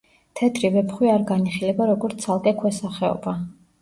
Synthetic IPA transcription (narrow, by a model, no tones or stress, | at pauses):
t̪ʰɛt̪ʰʼɾivɛpχwiaɾɡaniχilɛbaɾɔɡɔɾt̪sʰalˠkʼɛkʰwɛsaχɛɔ̰ba